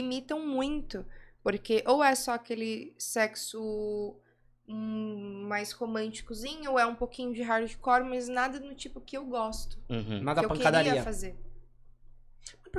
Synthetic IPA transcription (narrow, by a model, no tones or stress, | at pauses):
imit̪ɐ̃w̃mũj̃t̪ʊpoɾkeʔowɛsɔakelɪsɛksʊ | majshomɐ̃nt͡ʃi̥kʊzĩɲʊoɛũpowkĩɲʊd͡ʒɪɦaɾʊd͡ʒɪkɔɾmɐznad̪ɐnʊt͡ʃipʊkɪewɡɔst̪ʊ̥̃mak̪aewpɐ̃keɾad̪ɾiɐiɐfazeɾ | p